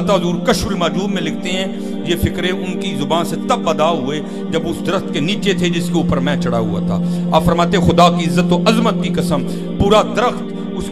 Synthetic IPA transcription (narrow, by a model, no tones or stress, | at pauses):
t̪azuːɾkəʃwəlmaːd͡ʒuːd̪mẽlɪk̚ʰt̪eɦɛ̃ː | jefɪkɾeʔʊnkizʊbaːnset̪ɐbːəd̪aɦʊe | d͡ʒɐbʊsd̪əɾəxt̪̚keniːt͡ʃet̪ʰed͡ʒɪskeʊːpəɾmɛ̃ːt͡ʃɐɽaɦʊ̰a̰t̪ʰa̰ːa̰ːpfɐɾmaːt̪ẽɛ̃xʊd̪aːkiɪzːət̪ːoʔɐzmət̪̚kikɐsəm | puːɾad̪əɾəxt̪ | ʊs